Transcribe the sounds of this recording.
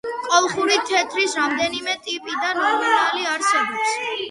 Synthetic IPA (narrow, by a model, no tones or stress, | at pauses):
qʼɔlˠχuɾit̪ʰɛt̪ʰɾisɾamd̪ɛnimɛt̪ʼipʼid̪anɔmunaliaɾsɛbɔps